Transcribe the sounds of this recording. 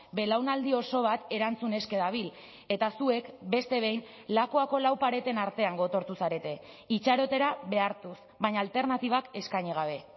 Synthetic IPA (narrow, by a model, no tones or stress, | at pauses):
be̞lawnald̪io̞so̞β̞at̪e̞ɾant͡sune̞ske̞ðaβil | e̞t̪asue̞kbe̞st̪e̞β̞e̞jn | lakoako̞lawpaɾe̞t̪e̞naɾt̪e̞aŋɡo̞t̪o̞ɾt̪usaɾe̞t̪e̞ | it͡ʃaɾo̞t̪e̞ɾaβe̞aɾt̪us | βaɲaːlt̪e̞ɾnat̪iβ̞ake̞skajɲiɣ̞aβ̞e̞